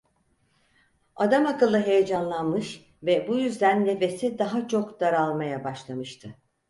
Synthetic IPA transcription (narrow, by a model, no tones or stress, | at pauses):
ad̪amakɯlˠːɯɦe̞jed͡ʒanlˠanmɯʃ | vɛbujyzd̪ænːe̞fe̞sid̪aɦat͡ʃʰo̞kd̪aɾalˠmajabaʃlˠamɯʃt̪ʰɯ